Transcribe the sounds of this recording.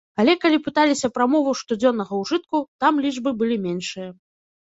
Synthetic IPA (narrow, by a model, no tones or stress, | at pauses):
alʲɛkalʲipɨt̪alʲisʲɐpɾamɔvɐwʂt̪ud͡zʲɔnːɐɣɐwʐɨt̪̚kut̪amlʲiʐbɨbɨlʲimʲɛnʂɨjɐ